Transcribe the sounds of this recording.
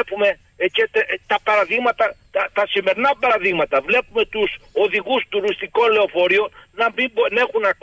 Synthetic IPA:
pume̞ | cet̪et̪ɐpɐɾɐðiɣmɐt̪ɐt̪ɐt̪ɐsime̞ɾinɐpɐɾɐðiɣmɐt̪ɐvle̞pume̞t̪uso̞ðiɣust̪uɾist̪iko̞nle̞ofo̞ɾio̞nnɐmibone̞xunɐk

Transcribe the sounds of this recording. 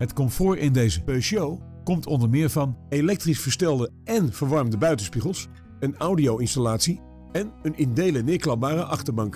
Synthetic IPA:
ɦətkɔmfʊːɹɪndejzəpøʃow | kɔmtɔndəɹmɪːɹvɑnelɛk̚trisfəɹstɛlˠdə | ɛnv̥əɹʋɑɹmdəbœɥtənspiχəlˠs | ənawdiowɪnstalaːtsi | ɛnənɪndejlənɪːɹklɑp̚baːrəʔɑχtəɹbɑŋk

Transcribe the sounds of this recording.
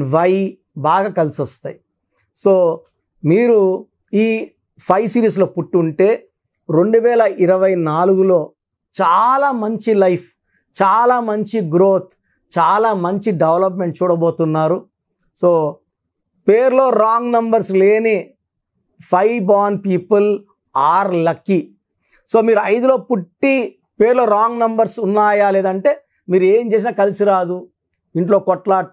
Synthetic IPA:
ʋɐj | baːɡaːkɐlisɐst̪a̰ːji | soː | miːɾu | iː | pʰɐjsiːɾiːs̬lo̞ːpuʈːuɳʈe̞ː | ɾo̞ɳɖuʋɛːlɐʔiɾɐʋɐjnaːluɡulo̞ː | t͡ʃaːlaːmɐɲt͡ʃilɐjpʰ | t͡ʃaːlaːmɐɲt͡ʃiɡɾoːt̪ʰ | t͡ʃaːlaːmɐɲt͡ʃiɖeʋlɐp̬me̞ɳʈ̚t͡ʃuːɽɐbo̞ːt̪unːaːɾu | soː | peːɾlo̞ːɾaːŋɡnɐmbɐɾsle̞ːni | pʰɐjbaːnpiːpul | aːɾlɐkːi | so̞ːmiːɾuɐjd̪ulo̞ːpuʈːi | pe̞ːɾlo̞ːɾaːŋɡnɐmbɐɾsunːaːjaːle̞ːd̪ɐɳʈe̞ː | miːɾue̞ːmt͡ʃe̞ːs̬inaːkɐlisiɾaːd̪u | iɳʈlo̞ːkɔʈla

